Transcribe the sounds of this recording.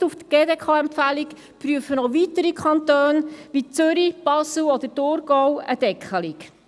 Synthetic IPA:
uft̪ɡ̥eːdeːkʰɑːɛmpfælik | pɾyəfənɔʋitəɾikʰχɑntøːnʋit͡søɾib̥ɑswɔd̪əɾtʊɾɡɔwəd̥ɛkχəlik

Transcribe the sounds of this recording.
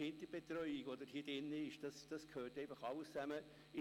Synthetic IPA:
ɪntəb̥etrœʏiɡodəɾhiːd̥ɪnːəɪʃd̥ɑsd̥ɑskʰhøːɾtɛɪfɑχɑləst͡sæmə | ɪ

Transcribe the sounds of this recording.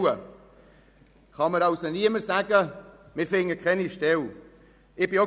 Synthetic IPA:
ə | χɑməɾɑwsoniəməɾsæɡəmɪɾfɪŋːəkʰχɛniʃtɛl | ɪb̥ɪo

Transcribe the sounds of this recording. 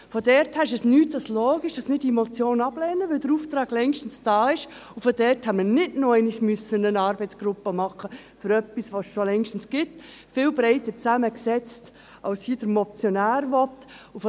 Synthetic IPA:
fɔdɛɾthæːɾɪʃɛsnyːtd̥ɑsloːɡiʃd̥ɑsmɪdimɔt͡sjoːnɑb̥lɛːnəʋɪldəɾuːft̪ɾɑːɡ̥lɛŋʃtən̩sd̥ɑːɪʃufɔd̥ɛɾthɛmənɪdnoɛɪnismʏsənənɑːɾbɛɪt͡sɡ̥ɾʊpːəmɑχəfʏɾœpːisʋosʃolɛŋʃtn̩sɡ̥ɪt | fɪːlbɾɛɪtət͡sæməksɛt͡st | ʔɑʊshiːd̥əɾmɔt͡sjɔnæːɾʋɔtuf

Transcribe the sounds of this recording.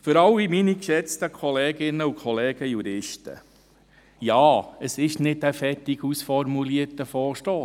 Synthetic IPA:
føɾɑwiminikʃɛt͡stəkʰɔleːɡɪnːəukʰɔleːɡ̥əjuɾɪʃtə̰ | jaːəsɪʃnɪdæfɛtiɡusfɔɾmuliətəfɔːɾʃtoː

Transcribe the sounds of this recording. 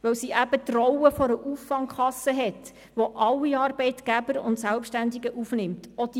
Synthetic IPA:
ʋœwsiʔæbət̪rɔwəfɔɾəʔufːɑŋkχɑsːəɦɛt | ʋoʔɑlːiɑːɾbɛɪt̪ɡ̥æbəɾʊntsælpʃtænd̪iɡəʔufnɪmtɔd̥i

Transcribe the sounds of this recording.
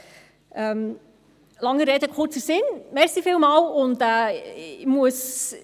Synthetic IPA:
ʔɛm | lɑŋəɾɛdəkʰʊt͡səsɪnmɛɾsifiːlmɑːlʊntɛːmuəs

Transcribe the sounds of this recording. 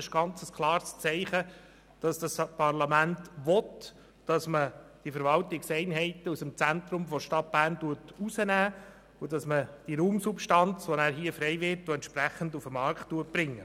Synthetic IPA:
ɪʃɡ̥ɑnt͡səskʰlˠɑːɾst͡sɛɪχə | d̥ɑsd̥ɑspʰɑɾlɑmæntʋɔt | d̥ɑsməd̥ifəɾʋɑltɪksɛɪnɦɛɪtəusəmt͡sænt̪ɾʊmfɔʃtɑt̚b̥æːɾntuətusənæː | ʊdɑsməd̥iɾuːmsupʃtɑnt͡sʋonæːɾɦiəfɾɛɪvɪɾtoɛntʃpɾæχən̩dufəmɑɾkχtːuət̚b̥ɾɪŋːə

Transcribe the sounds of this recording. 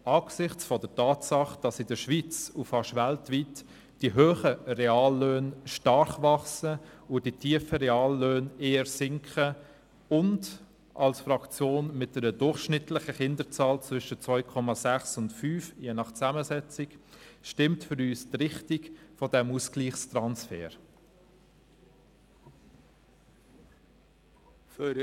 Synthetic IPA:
ɑːɡ̥sɪχt͡sfɔdətɑːtsɑχd̥ɑsɪdəʃvit͡sufɑʃvæltviːt | d̥iɦøːχərɛɑːlːøːnʃtɑɾχvɑχsəʊd̥itʰiəfəɾɛɑːlːøːneːəɾsɪŋkʰχə | ʊnd | ʔɑlsfɾɑkt͡sjoːnmɪt̚d̥ɛɾədʊɾχʃnɪtlɪχəχɪndət͡sɑːlt͡svʏʃət͡svɔʏkʰɔmɑsæχsʊntfyːfjeːnɑχt͡sæməsɛt͡sɪkʃtɪmtfʏɾyːstrɪχtɪkfɔdɛmusɡ̥liːχstɾɑnsfɛ̰ːɾ | f

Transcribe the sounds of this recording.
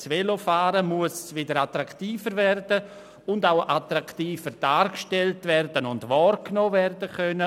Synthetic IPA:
svelofaːɾəmuəsvɪdəɾatɾaktiːfəɾvɛrdə | ʊndawʔatɾaktiːfəɾd̥aːɾkʃtɛltvɛrdənʊndʋɔːɾknoːvɛrdəkœnə

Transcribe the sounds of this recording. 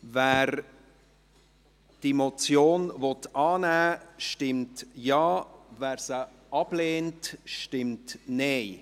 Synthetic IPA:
væːɾ | d̥mot͡sjoːnvɔtɑːnæːʃtɪmtjɑːvæːɾsə | ʔɑb̥leːntʃtɪmtneɪ

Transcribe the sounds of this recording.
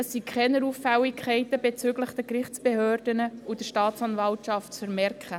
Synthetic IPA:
əsːikʰχɛnəɾuːfːɛwikʰɛɪtəbet͡søɡləχd̥ɛkɾɪχt͡sb̥ehøːrd̥ənəud̥əʃtɑːtt͡sɑnvɑltʃɑftt͡sfəɾmɛɾkχə

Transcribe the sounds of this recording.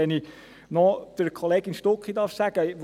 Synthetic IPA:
ɛni | nɔd̥əɾkʰoleːɡɪnʃtokχidɑɾfsæɡ̥əʋ

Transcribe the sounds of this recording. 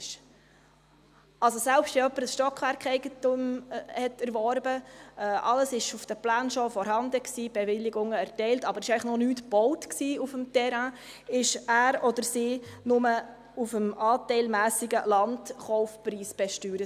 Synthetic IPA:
ʃ | ɑlsɔsælpʃtjɛœpːəɾəsʃtɔkχʋæɾkɛɪɡ̥ətumhɛtæɾʋɔɾbəɛʔɑləsɪʃufd̥əplæːnʃɔfɔɾhɑnd̪əksiːb̥ɛʋɪlːiɡʊŋəæɾtɛɪltɑbəɾɪʃɛɪləχnɔnyːtb̥ɔwtksiːufəmtɛɾæ̃ | ɪʃæːɾɔdəɾsiːnʊmə | ufəmʔɑːtɛɪlmæːsiɡəlɑntχɔʊfpɾiːsb̥ɛʃtyːɾə

